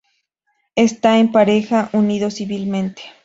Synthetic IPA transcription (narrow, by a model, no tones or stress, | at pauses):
est̪aempaɾexaʔuniðosiβilmẽ̞nt̪e̥